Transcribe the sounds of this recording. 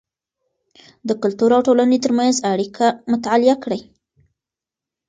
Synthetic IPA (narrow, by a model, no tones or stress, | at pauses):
d̪əkʊlt̪uɾawʈolanet̪əɾmanzaɽikʰamʊt̪aalɪjakɽaj